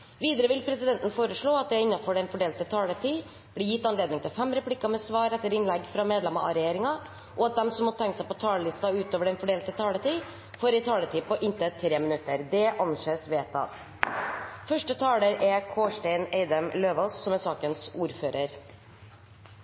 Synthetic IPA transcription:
ʋiːd̪əɾəʋɪlpʰɾɛsɪd̪ɛnt̪n̩foːɾəʂɭoːɑt̪̚d̪ɛɪnːɑfɔɖɛnfɔɖeːlt̪ət̪ʰɑːlət̪ʰiː | b̥liːjɪt̪ːɑnleːd̪nɪŋt̪ʰɪlfɛmɾɛpʰlɪkɑmɛsʋɑːɾɛt̪ːəɾɪnlɛɡfɾɑmeːd̪lɛmɑʔɑ̰ɾɛjeːɾɪŋɑ | ʔɔɑt̪̚d̪ɛmsɔmːɔt̪ʰɛŋksæɪpɔt̪ʰɑːləlɪst̪ɑʉːt̪oːʋəɖɛɪnfɔɖeːlt̪ət̪ʰɑːlət̪iː | foːɾɛɪt̪ʰɑːlət̪ʰiːpɔʔɪnt̪ət̪ʰːɾeːmɪnʉt̪ːəɾd̪ɛʔɑnʃəsʋeːt̪ɑ̰t̪ | fœʂʈət̪ʰɑːləɾɛkʰoːʂʈɛɪnɛɪd̪əmløːʋossɔmɛsɑːkənsuːɾføːɾəɾ

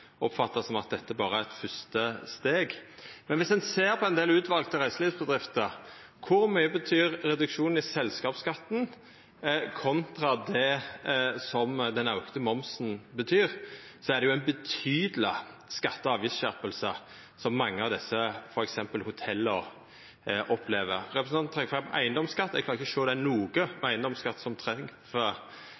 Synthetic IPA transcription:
ɔpfɑt̪ːəsɔmɑt̪̚d̪ɛt̪ːəæbɑːɾəæʁɛt̪fʏst̪əst̪eːɡmɛnʋɪsd̪ɛnseːɾpʰɔɛnd̪eːlʉːt̪ʰʋɑlɡ̚t̪ɔɾʁæɪslɪːsbəd̪ʁɪft̪ə | kʰʊɾmyʏəbət̪ʰyːɾɾɛd̪ʉkʃuːn̩ɪsɛlskɑːpskɑt̪ːn̩ | kʰɔnt̪ʁɑd̪ɛ | sɔmd̪ɛnɑʊkt̪əmɔmsn̩bət̪ʰyːɾsɔæʁd̪ɛjʊænbət̪ʰyːd̪əlɪ | skɑt̪ːəɑːʋjɪsɕæɾpəlsə | sɔmːɑŋːəɑʋd̪ɛsːəfɔɾɛksɛmpəlhʊt̪ʰɛlːəɔ | ʔɔpʰleːʋəɾɾɛpɾəsnɑnn̩ʁɛŋfʁɛmʔæɪənd̪ɔmskɑt̪ːɛɡkʰlɑɾɪçɔʃoːd̪ænuːɡəmɛæɪənd̪ɔmskɑt̪ːsɔmt̪ʰɾɛŋfø

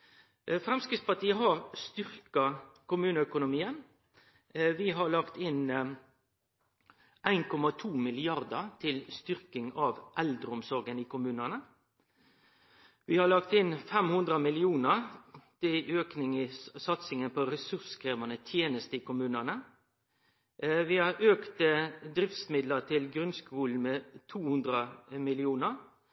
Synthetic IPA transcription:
fɾɛmskɪtspɑʈ̪iːəɦɑɾst̪ʏɾkɑkʊmʉːnəœkʊnʊmiːən | ʋɪɦɑɭɑkt̪ɪn | ʔæɪnkʰɔmɑt̪ʰuːmɪlɪɑɾd̪ət̪ʰɪlst̪ʏɾkɪŋɑʋʔæld̪ɾəʊmsɔɾɡəniːkʰʊmʉːnənə | ʋihɑɭɑkt̪ɪnfɛmhʉnd̪ʁəmɪlɪuːnəʁt̪ɪløːknɪŋəsɑt̪sɪŋənpʰoʁɛsʉskʰɾeːʋɑnət̪ʰjeːnəst̪əiːkʰʊmʉːnənə | ʋɪhɑɾøːkt̪əd̪ɾɪft̪smɪd̪lət̪ʰɪlɡɾʉnskuːln̩meːt̪ʰuːhʉnd̪ʁəmɪlɪuːnəʁ

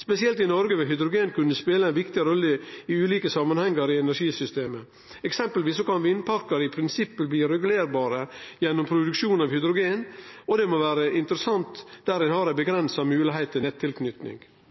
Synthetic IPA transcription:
spɛsɪɛlt̪ɪnɔɾɡəʋɛɦʏd̪ɾʊɡeːnkʰʉnːəspeːləæɪnʋɪkt̪ɪɾɔlːəɪʉːliːkəsɑmːənhɛŋːɑɾɪɛnæɾʂiːsʏst̪eːmə | ɛksɛmpəlʋiːsɔkʰɑnʋɪɪnpʰɑɾkɑɾəɪpʰɾɪnsɪpːəlbliːɾɛɡʉleːɾbɑːɾəjɛnːɔmpʰɾʊd̪ʉkʂuːnɑʋhʏd̪ɾʊɡeːnɔd̪ɛmɔʋæːɾəɪnt̪əɾəsɑnt̪d̪æːɾɪnhɑɾæɪbəɡɾɛnsɑmʉːlɪɦæɪt̪ʰːɪɛt̪ʰːɪlknʏt̪nɪ̰ŋ

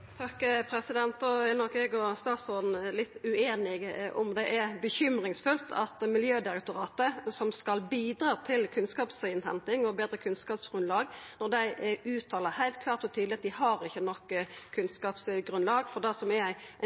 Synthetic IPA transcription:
t̪ʰɑkːpʰɾɛsɪd̪ɛnt̪ɔɛnɔkɛɡɔst̪ɑːsɔd̪n̩lɪt̪ːʉeːnɪɡʔʊmd̪ɛʔɛbəçʏmʁɪŋsfʉlt̪ʰɑ̰t̪mɪljøːd̪ɪɾɛk̚t̪ʊɾɑːt̪əsɔmskɑlbiːd̪ɾɑːt̪ʰɪlkʰʉnskɑːpsɪnt̪ʰɛnt̪ɪŋɔbeːd̪ɾəkʰʉnskɑːpsɡ̥ʁʉnlɑːɡnɔɾd̪æɪʉːt̪ʰɑːləhæɪlt̪̚kʰlɑːɾt̪ɔt̪ʰyːd̪lɪɑt̪d̪ɪhɑɾɪçːənɔkːkʰːʉnskɑːpsɡɾʉnlɑːɡfɔʁd̪æsɔmɛɾæɪ

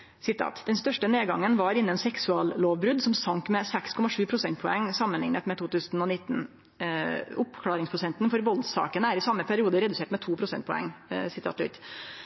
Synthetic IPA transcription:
sɪt̪ʰɑ̰ːt̪d̪ɛnst̪œʂʈəneːɡɑŋːənʋɑɾɪnːənsɛksʉɑːlloːʋbɾʉd̪sɔmsɑŋkmɛsɛkskʰɔmɑʂʉːpʰɾʊsɛnt̪̚pʰɔɛŋsɑmːənlɪŋnət̪mɛt̪ʰuːt̪ʉːsənɔnɪt̪ːn̩ | ʊpkʰlɑːɾɪŋspʰɾʊsɛnt̪nfɔɾʋɔld̪sɑ̰ːkənəæɾɪsɑmːəpʰæɾɪuːd̪əɾɛd̪ʉseːʈmɛt̪ʰuːpʰɾʊsɛ̰nt̪̚pʰɔɛ̰ŋsɪt̪ʰɑ̰ːt̪lʏ̰t̪

